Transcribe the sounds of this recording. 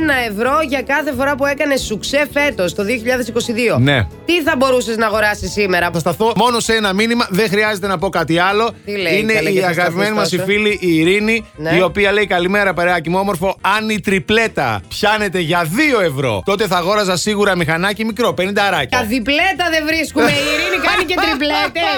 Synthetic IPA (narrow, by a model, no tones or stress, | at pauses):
nɐevɾo̞ʝɐkɐθe̞fo̞ɾɐpue̞kɐne̞sːukse̞fe̞t̪o̞st̪o̞ðio̞çiʎɐðe̞siko̞siðio̞ne̞̰t̪iθɐbo̞ɾuseznɐːɣo̞ɾɐsisːime̞ɾɐpost̪ɐθomo̞no̞senɐminimɐðeŋxɾiɐze̞t̪e̞nɐpo̞kɐt̪iɐlo̞t̪ileine̞iɐɣɐpimenimɐsiffiliʔiːɾininio̞piɐle̞ikɐlime̞ɾɐpɐɾeɐcimuo̞mo̞ɾfo̞ɐnit̪ɾiple̞t̪ɐ̰pçɐne̞t̪e̞ʝɐðio̞e̞vɾo̞̰t̪o̞t̪e̞θɐɣo̞ɾɐzɐsiɣuɾɐmixɐnɐcimikɾo̞penind̪ɐɾɐcɐɐðiple̞t̪ɐðevɾiskumeiɾinikɐnicet̪ɾiplet̪e